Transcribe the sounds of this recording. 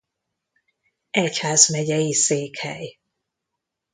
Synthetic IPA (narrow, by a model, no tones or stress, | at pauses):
ɛchaːzmɛɟɛjiseːkhɛ̰j